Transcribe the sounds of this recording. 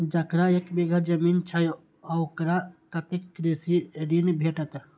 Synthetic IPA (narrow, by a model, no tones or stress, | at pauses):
d͡ʒəkɾaekbiɡʱəɾd͡ʒəmint͡ʃʰəj | ɔukɾakət̪ekːɾisiɾinbʱeʈət̪